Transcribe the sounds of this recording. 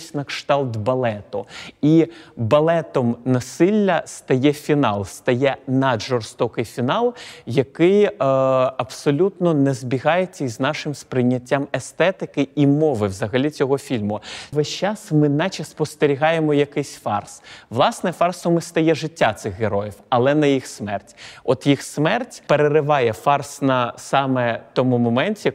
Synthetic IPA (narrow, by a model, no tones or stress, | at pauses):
sʲnɐkʃt̪ɑlˠt̪bɐlˠɛt̪ʊibɐlˠɛt̪ɔmnɐsɪlʲːɐst̪ɐjɛfʲinɑlˠst̪ɐjɛnɐd̪ʒɔrst̪ɔkɪjfʲinɑlˠjɐkɪj | ɐbsɔlʲut̪nɔnɛzbʲiɣɑjet͡sʲːɐiznɑʃɪmspɾɪnʲːɐtʲːamɛst̪ɛt̪ɪkɪimɔʋɪwzɐɦɐlʲit͡sʲɔɦɔfʲilʲmʊʋɛʃʲt͡ʃɑsmɪnɐt͡ʃɐspɔst̪eɾʲiɦɑjemɔjɐkɪsʲfɑrsʋlˠɑsnɛfɑrsɔmɪst̪ɐjɛʒɪtʲːat̪sɪxɣeɾɔjiwɐlˠɛnɐjixsmɛrtʲɔt̪jixsmɛrtʲpeɾeɾɪʋɑjɛfɑrsnɐsɑmɛt̪ɔmumɔmɛnʲtʲi